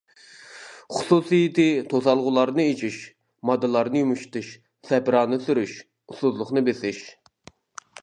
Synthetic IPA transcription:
χʊ̥susijit̪ɪt̪ʰozɑlˠʁʊlˠɑɾnɨet͡ʃʰiʃ | mɑd̪ːɨlˠɑɾnɨjumuʃt̪ɨʃ | sɛpɾɑːnɨsyɾyʃ | usuzlˠʊχnɨbesɪʃ

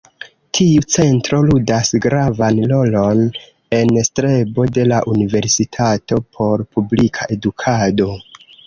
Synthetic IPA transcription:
tʰiut͡se̞ntɾo̞ludasɡɾavanlo̞lo̞n | e̞nstɾe̞bo̞de̞laʔunive̞ɾsitʰato̞pʰo̞ɾpublikʰaʔe̞dukʰado̞

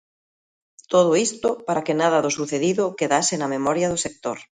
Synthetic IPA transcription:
t̪oð̞oist̪opaɾakenað̞aðosuθeðiðokeðasenamemɔɾjaðosek̚t̪oɾ

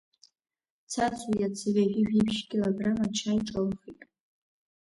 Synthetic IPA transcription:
t͡sʰat͡sʰujat͡sʰɨrʲaɡʲɪʒᶣipʰʃɡʲɪlabramat͡ʃʰajiʈ͡ʂʼalχitʼ

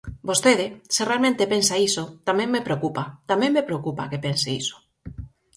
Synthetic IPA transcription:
bost̪eðeserealmẽnt̪epensaisot̪amẽŋːepɾeokupat̪amẽmːepɾeokupakepenseiso̥

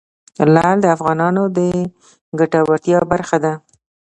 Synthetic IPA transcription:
lɑld̪əafɣɑnɑnod̪ə | ɡaʈawaɾt̪jɑbaɾxad̪a

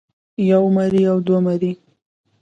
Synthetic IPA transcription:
jawmaɾiawd̪wamaɾi

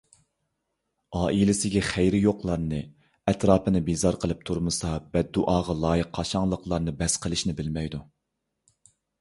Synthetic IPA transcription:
ɑːʔilɪsɪɡʲɛχæjɾɪjoqlˠɑɾnɨ | ɛt̪ɾɑːpʰɨnɪbizɑɾqʰəlˠɨp̚t̪ʰuɾmɨsɑbɛt̪̚ːuʔɑːʁɑlˠɑːjəqʰːɑʃɑŋlˠəqʰlˠɑɾnɨbɛsqʰəlˠɪʃnɪbɪlmɛjd̪u

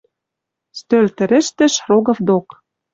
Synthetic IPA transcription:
st̪ølt̪ɘ̆ɾɘ̆ʃt̪ɘ̆ʃroɣɤ̆fd̪ok

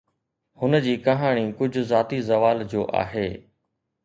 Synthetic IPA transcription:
hʊnəd͡ʑiːkɐɦaːɽ̃ikʊd͡ʑʱʊzaːt̪izɐʋaːld͡ʑoːʔa̰ːɦeː

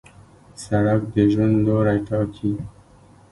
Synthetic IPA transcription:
saɽakd̪əʒwand̪loɾajʈɑkʰi

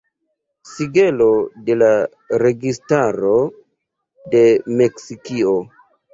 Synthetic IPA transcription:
siɡe̞lo̞de̞la | ɾe̞ɡistaɾo̞ | de̞me̞ksikio

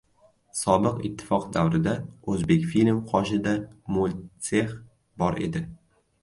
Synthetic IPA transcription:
sɒbɨqɪ̰t̪ʰːɪ̥fɒqd̪awɾɪd̪aɵzbe̞kʲfilʲmqʰɒʃɪd̪amolʲseχ | bɒɾe̞̰d̪ɪ

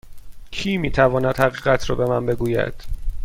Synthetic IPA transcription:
cʰiːmiːt̪ʰævɒːnæd̪hæɣiːɢæt̪ʰɾɒːbe̞mænbe̞ɡuːjæ̰d̪̥

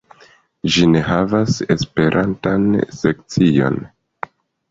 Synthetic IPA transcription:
d͡ʒine̞ɦavase̞spe̞ɾʔantanse̞k̚t͡sio̞̰n

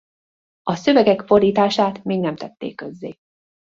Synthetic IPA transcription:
ɒsø̞vɛɡɛkfo̞riːt̪aːʃaːt̪meːɡnɛmt̪ɛt̪ːḛːkːø̞zːeː

